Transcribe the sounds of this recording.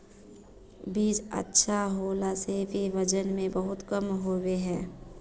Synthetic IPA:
biːd͡ʒə̰tːʃʰaɦoːlasebʱiʋəd͡ʒənmẽbəɦʊt̪kəmɦoweɦɛ̃ː

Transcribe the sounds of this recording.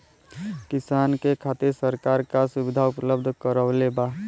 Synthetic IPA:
kɪsaːnkekʰaːt̪iɾsəɾkaɾkasʊbɪd̪ʱaʊpləbd̪ʱkəɾəːleba

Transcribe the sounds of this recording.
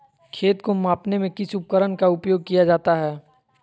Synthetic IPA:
kʰeːt̪komãːpnemẽkɪsʊp̚kəɾənkaʊpjoːɡ̚kijad͡ʒaːt̪aɦɛː

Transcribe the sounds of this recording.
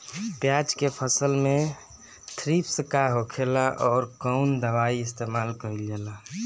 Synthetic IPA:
pjat͡ʃkepʰəsəlmẽ | t̪ʰɾipsəkaɦokʰelaʔɔːɾkɔʊnd̪əʋaiɪst̪emaːlkəɾild͡ʒela

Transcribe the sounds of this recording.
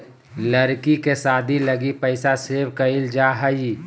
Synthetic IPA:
ləɾkikesaːd̪ʱiləɡipəɪsasebkəild͡ʒaɦəi

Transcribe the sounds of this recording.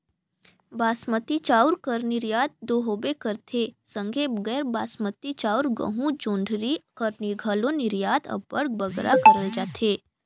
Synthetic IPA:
baːsmət̪it͡ʃauɾkəɾniɾjaːd̪̚d̪oɦobekəɾt̪ʰesə̃ŋɡʱebəɡɛːɾbaːsmət̪it͡ʃaːuɾɡə̰ɦũd͡ʒõːɳɖʱɾikəɾniɾɡʱaloniɾjaːt̪ʰə̰bəɽɡbəɡɾa̰kəɾəld͡ʒaːt̪ʰe

